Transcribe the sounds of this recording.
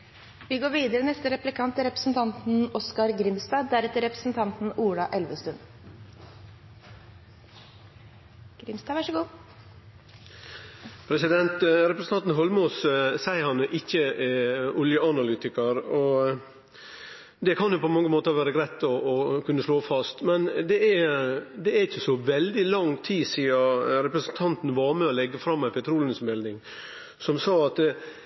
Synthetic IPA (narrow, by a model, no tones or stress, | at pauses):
ʋɪɡoːɾʋiːd̪əɾənɛst̪əɾɛplɪkʰɑnt̪əɾɛpɾəsn̩t̪ʰɑnt̪n̩ɔskɑɾɡɾɪmst̪ɑːd̪æɾɛt̪ːəɾɛpɾəsn̩t̪ʰɑnt̪n̩uːɽɑʔɛlʋəst̪ʉn | ɡ̥ɾɪmst̪ɑːʋɑʂəɡuː | pʰɾɛsɪd̪ɛnt̪ɾɛpɾəsn̩ʰɑnt̪n̩ɦɔlmʊːssæɪhɑnəʔɪçːə | ʊljəʔɑnɑlyːt̪ɪkəɾɔ | d̪ɛkʰɑnjʊpʰɔmɑŋːəmoːt̪əɾʋæːɾəɡɾæɪt̪ːɔʔːkʰʉnːəʂloːfɑst̪mɛnd̪ɛɛd̪ɛæɾɪçːəsɔʋɛld̪ɪlɑŋt̪ʰiːsiːɑɾɛpɾəsənt̪ʰɑnt̪n̩ʋɑmɛɔlɛɡːəfɾɑmːæɪpʰɛt̪ʰɾuːlənəsmɛld̪ɪŋ | sɔmsɑːɑt̪